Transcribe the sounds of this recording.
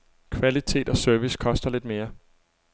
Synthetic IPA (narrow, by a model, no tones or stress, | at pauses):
kʰʋælit͡sʰe̝̰ːd̥ɒ̽søɐʋiskʰɒ̽sd̥ɐle̝d̥me̝ːɐ